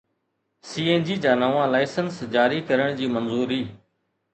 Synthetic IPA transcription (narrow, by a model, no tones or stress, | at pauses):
siːeːnd͡ʑiːd͡ʑaːnəʋãːlaːɪsənsd͡ʑaːɾiːkəɾəɽ̃d͡ʑiːmənzuːɾiː